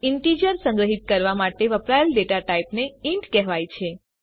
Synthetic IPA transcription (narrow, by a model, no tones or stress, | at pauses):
ɪɳʈid͡ʒəɾsə̃ŋɡɾəɦit̪̚kəɾʋamaʈeʋəpɾajəlɖeʈaʈaipneiɳʈkɛɦʋajt͡ʃʰe